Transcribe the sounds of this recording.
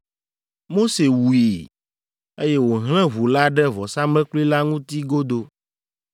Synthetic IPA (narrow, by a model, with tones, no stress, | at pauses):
mo˦se˨wu˨e˨ | e˦jɛ˦wo˨ɦl̃ɛ̃˦βu˨la˦ɖɛ˦vɔ˨sa˦mlɛ̃˦kli˦la˦ŋũ˦t̪i˦ɡo˦d̪o˦